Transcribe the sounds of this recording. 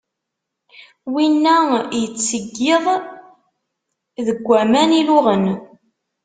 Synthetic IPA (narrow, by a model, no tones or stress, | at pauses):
winːæjət͡sːsəɡːeðˤ | ðəɡʷːæmænilʊʁən